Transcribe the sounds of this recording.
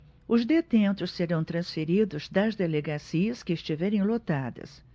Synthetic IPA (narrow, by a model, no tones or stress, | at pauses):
ʊzd̪et̪ẽnt̪ʊsseɾɐ̃w̃t̪ɾɐ̃sfeɾid̪ʊzd̪ɐzd̪eleɡasiɐskɪːst͡ʃivɛɾẽj̃lot̪ad̪ɐ̰s